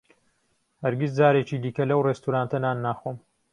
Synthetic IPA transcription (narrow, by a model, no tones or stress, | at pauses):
hɐɾɡisd͡zaːɾeːt͡ʃiːd̪iːkɐlɐwreːst̪uɾaːnt̪ɐnaːnːaːxoːm